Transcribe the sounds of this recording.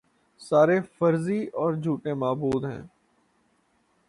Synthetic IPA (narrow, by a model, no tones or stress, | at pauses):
saːɾefəɾziɔːɾd͡ʒʱuːʈemaːbuːd̪ɦɛ̰̃ː